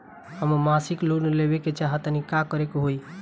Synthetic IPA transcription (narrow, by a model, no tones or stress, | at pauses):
ɦəmmasikloɾnelebeket͡ʃaɦət̪nikakəɾekoɦoi